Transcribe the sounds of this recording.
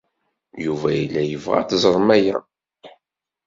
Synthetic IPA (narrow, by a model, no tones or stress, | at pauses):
juvæjilːæjəvʁa̰θzˤəɾˤmæjæ